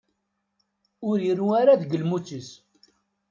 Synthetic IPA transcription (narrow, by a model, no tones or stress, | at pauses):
ʊɾəruaɾaðəɡəlmut͡sːəs